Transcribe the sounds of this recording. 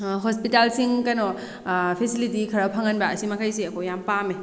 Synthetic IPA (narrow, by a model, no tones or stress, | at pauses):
ɦospitalsiŋkɐnɔ | pʰesilitikʰɐɾɐpʰaŋɐnbaɐsimɐkʰajsiɐkʰojampame